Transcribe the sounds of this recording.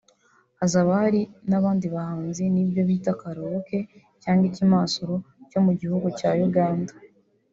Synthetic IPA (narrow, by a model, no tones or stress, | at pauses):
azaβahaɾinaβaːndiβahaːnzinibjo̞βitakaɾoɾoke̞ | caːŋɡicimasoɾoco̞muɟihuɡucajuɡaːnda